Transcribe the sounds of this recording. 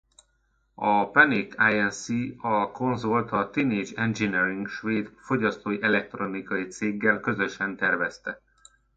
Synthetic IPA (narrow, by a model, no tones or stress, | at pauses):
ɒpɛnikʰaːjɛnsiɒko̞nzolt̪ɒt̪ineːd͡ʒɛnd͡ʒiniɾiŋɡʃʋeːd̪fo̞ɟɒst̪oːjiʔɛlɛk̚t̪ro̞nikɒjit̪seːɡːɛlkø̞zø̞ʃɛnt̪ɛrvɛst̪ɛ